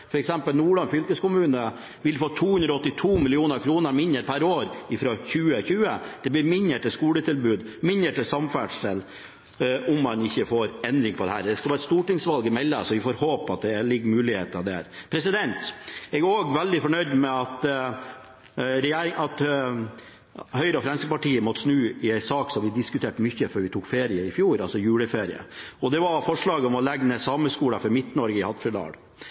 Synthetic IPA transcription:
fɔɾɛksɛmpəlnuːɭɑnfʏlkəskʊmʉːnə | ʋɪlfoːt̪ʰuːhʉnd̪ɾɔɔt̪ːɪt̪ʰuːmɪlɪuːnəɾkʰɾuːnəɾmɪnəɾpʰæɾoːɾɪfɾoçʉːəçʉːəd̪̥ɛblɪɾmɪnəʈɪskuːlət̪ʰɪlbʉːd̪mɪnəʈəsɑmfæɖʂəl | ʊmːɑnɪçːəfoːɾɛnd̪ɾɪŋpʰɔd̪ɛ̰hæ̰ːɾd̪ɛskɑlɑːɾɛt̪st̪uːʈɪŋsʋɑlɡɪmɛlːə̰sɔʋɪfoːɾhoːpɑt̪̚d̪ɛlɪɡːmʉːlɪhḛːt̪ɑd̪ɛæ̰ːɾpʰɾɛsɪd̪ɛnt̪ɛɡæɾoːɡʋɛld̪ɪfɔɳœʏd̪mɛɑt̪ | ɾɛjeːɾɪŋɑt̪ | hœʏɾəɔfɾɛnskəpɑʈiːəmɔt̪ːəsnʉːɪæɪsɑːksɔmʋɪd̪ɪskʉt̪ʰeːʈmʏçːəfœɾʋɪt̪ʰuːkfeːɾɪəɪfjuːɾɑlsɔjʉːləfeːɾɪ̰ə̰ɔd̪ɛʋɑɾfɔʂɭɑːɡəɔmɔlɛɡnəsɑməskuːlɑfɔɾmɪt̪nɔɾɡəɪhɑt̪fɪlɑ̰ːɽ

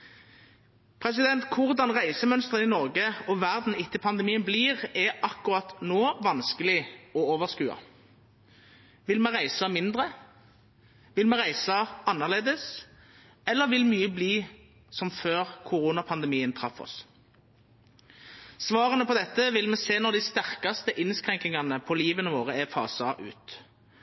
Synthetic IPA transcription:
pʰʁɛs̬ɪd̪ɛnt̪kʰʊʁd̪ɑnʁæɪsəmœnst̪ʁənɪnɔʁɡəɔʋæʁd̪n̩ɪt̪ːəpʰɑnd̪ɛmiːənbliːʁɛɑkːʊʁɑt̪noːʋɑnskəlɪɔoːʋəʁskʉːɑ̰ | ʋɪlmɛʁæɪsɑmɪnd̪ʁə | ʋɪlmɛʁæɪsɑɑnːəʁleːd̪əs | ɛlːəʁʋɪlmyːəbliː | sɔmføːʁkʰʊʁuːnɑpʰɑnd̪ɛmiːənt̪ʰʁɑfːɔ̰s | sʋɑːʁənəpʰɔd̪ɛt̪ːəʋɪlmɛːseːnɔd̪ɪst̪æʁkɑst̪əʔɪnskʁɛŋknɪŋɑnəpʰɔliːʋənəʋoːʁəæfɑ̰ːsɑʔʉ̰ːt̪

